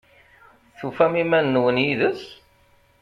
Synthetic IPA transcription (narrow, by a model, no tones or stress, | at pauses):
θufæmimænːwənjiðəs